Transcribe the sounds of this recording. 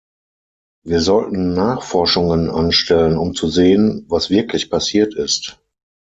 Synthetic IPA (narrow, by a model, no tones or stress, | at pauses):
viːɐzɔltn̩ːaːχfɔɐʃʊŋənʔa̰nʃtɛlənʊmt͡suzeːənvasv̥ɪɐklɪçpʰasiːɐtɪst